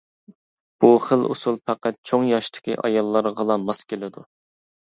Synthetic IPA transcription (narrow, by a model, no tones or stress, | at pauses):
b̥uχəlˠṵsulˠpʰæqæt̪̚t͡ʃʰoŋjɑʃt̪ʰɪ̥kʲiʔɑ̰jɑlˠːɑɾʁəlˠɑmɑskʲelɪd̪u